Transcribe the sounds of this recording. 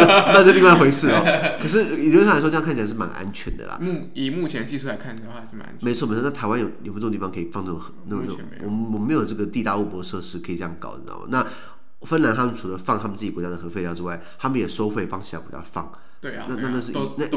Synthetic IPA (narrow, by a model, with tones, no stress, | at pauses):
na˥˧ə˥˧ə˧i˥˧wa˥˩xwe˧˥ɪʂɻ̩˥˩ɔ̰˩˦kʰɤ˨˩ʂ̬ɻ̩˥˩ji˥a˥˩˧ŋka˥˩t͡ɕʰi˨˧ʂ̩˥˩ma̰˧˦nʔa̰˦nt͡ɕʰɥɛ̰˧˦nd̪ə̰˨lɐ̰˨˥ | i˨˩mu˥˩t͡ɕʰjɛ˧˦nt͡ɕi˥˧ʂu˥˩la˧˦kʰa˥˩˨wɻ̩̰˥˩˧n̰˥me˧˥ɪt͡sʰwɔ˥˩˧na˥˩tʰa˧˥ɪwa˦njo˨˩ʊjpːt̪i˥˩ɑ˧ŋkʰi˨˩fɑ˥˧ŋnə˥˩ɡo˨˩xna˥˩˧n˧˨wɔ̰˨mwɔ˨˩me˧˥ɪjo˨˩ʈ͡ʂɤ˥˩ɡə˩t̪i˥˧t̪a˥˧u˥˩pwɔ˧˥˧ʂɤ˥˧ʂɻ̩˥˩kʰɤ˧˥i˨˩ʈ͡ʂə˧jɑ˥ŋkɑ̰˨˩ʊə̰˨˩n̰˨˩˨na˥˩˨ | fə˥nla˧˥nt̪ʰa˥mə˨nt͡sʰu˨˩lə˦fɑ˥ŋt̪ʰa˥mə˨nt͡sɹ̩˥˩t͡ɕi˨˩kwɔ˧˥t͡ɕja˥d̪ə˩xɤ˧˥fe˥˧ljɑ˥˩ʊʈ͡ʂɻ̩˧wa˥˩ɪt̪ʰa˥mə˨njɛ˨˩ʂo˥ʊxwe˥˩ɪpɑ˥ŋt͡ɕʰi˨˩la̰˧˥kw̰t͡ɕja̰˥fɑ̰˥˩ŋ | we˥˧˩na˥˧na˥˧na˥˧ʂɻ̩˥na˥˩